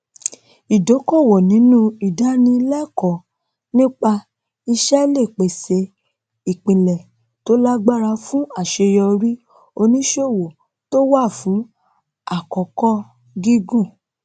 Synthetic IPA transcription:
i˨do˨˦kɔ˦˨wɔ˨nĩ˨˦nũ˦i˨da˨˦nĩ˧˦lɛ˦˨kɔ˨ | nĩ˦k͡pa˧ | i˧ʃɛ˦le˦˨k͡pe˨se˧ | i˨k͡pĩ˨lɛ˨ | to˨˦la˦ɡ͡ba˦˨ɾa˧fũ˦a˦˨ʃe˧jɔ˧ɾi˦ | o˧nĩ˦ʃo˦˨wo˨ | to˦wa˦˨fũ˨˦ | a˦˨kɔ˨kɔ˦ | ɡi˦ɡũ˦˨

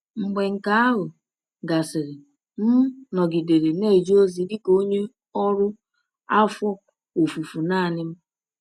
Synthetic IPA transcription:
ŋ͡m̩˨ɡ͡be˨ŋ̩˨ka˦a˦ɦʊ˨ | ɡa˨sɪ˨ɾɪ˨ | m̩˦nɔ˨ɡi˨de˨ɾe˨ne˦˨d͡ʒo˦zi˨dɪ˦ko˦ɲe˦ | ɔ˦ɾʊ˦ | a˦fɔ˦ | o˨fu˨fu˨naː˦˨nɪ˦m̩˦

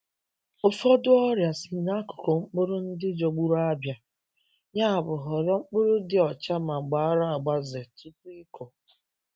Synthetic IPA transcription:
ʊ˦fɔ˦dʊ˦ɔ˦ɾja˨sɪ˨na˦kʊ̥˨ko˨ŋ͡m̩˦k͡pʊ˦ɾʊ˦n̩˦dɪ˦d͡ʒɔ˨ɡ͡bu˦ɾa˦bja˨ | ɲa˦˨bʊ˨ɦɔ˨ɾɔ˦ŋ͡m̩˦k͡pʊ˦ɾʊ˦dɪ˦ɔ˨t͡ʃa˦ma˨ɡ͡ba˨a˦ɾa˦a˨ɡ͡ba˦ze˨ti˦pʊ˦ɪ˦kʰɔ˨

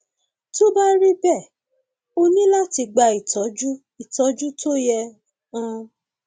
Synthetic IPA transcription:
to˦ba˦ɾi˦bɛ˦˨ | o˧nĩ˦la˦ti˧ɡ͡ba˧i˨tɔ˨˦d͡ʒu˦ | i˨tɔ˨˦d͡ʒu˦tʰo˦jɛ˧ | ã˧

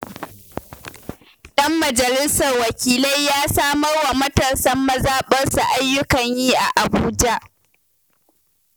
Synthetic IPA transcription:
ɗɐ˦mːɐ˨d͡ʒɐ˨lɪ˦sɐ˨rwɐ˨kʲiː˨lɐ˦jːaː˦saː˦mɐ˦rwa˨mɐ˦tɐ˨sɐ˦mːɐ˦zaː˦ɓɐ˦rsa˨ʔa˦jːʊ˦kɐ˨ɲjiː˦ʔa˨ʔa˨buː˦d͡ʒa˦ʔ

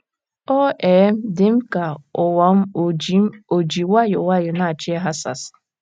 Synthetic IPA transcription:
ɔ˦eː˨˦m̩˦dɪ˨m̩˦ka˨ʊ˨wa˨m̩˦ | o˨d͡ʒi˨wa˦jʊ˨wa˦jʊ˨na˨t͡ʃɪ˦e˦ɦa˦sa̰˨s

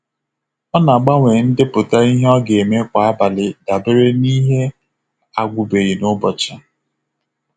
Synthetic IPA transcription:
ɔ˦na˨a˨ɡ͡ba˦ŋʷe˨n̩˦dɪ˦pʊ˨ta˦i˦ɦɔ˦ɡe˨me˦kʷa˨a˦ba˨lɪ˨da˨bɪ˦ɾe˦ni˦ɦe˦ | a˨ɡʷʊ˨be˨ɣi˨nʊ˦bɔ˨t͡ʃa˨

